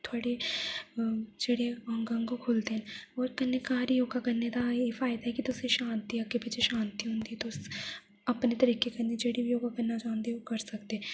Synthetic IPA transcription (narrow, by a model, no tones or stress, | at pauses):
t̪ʰoaːɽe | d͡ʒeɽeɦɐ̃ŋɡə̃ŋɡokʰoːlt̪eɦɛ̃oːɾkɐnːekaːɾjoːɡakɐɾnet̪ajefaːɪd̪aɦɛkit̪oseʃãːnt̪iɐkːepiːt͡ʃʰeʃãːnt̪iɦõːnd̪iɛt̪os | ɐpnet̪ɐɾiːkekɐɾned͡ʒeɽijoːɡakɐnːad͡ʒãːnd̪eɛʋokɐɾsɐkt̪eɦɛ̃